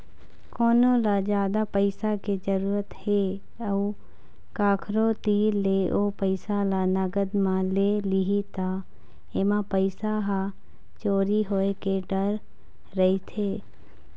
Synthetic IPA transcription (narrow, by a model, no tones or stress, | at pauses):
koːnõlad͡ʒjaːd̪apəɪsaked͡ʒəɾuːɾət̪he | ɐu | kaːkʰɾot̪iːleʔoːpəɪsalanɐɡəd̪mãleːliɦit̪a | emãpəɪsaɦa | t͡ʃoːɾiɦoːekeɖəɾː | əit̪ʰeː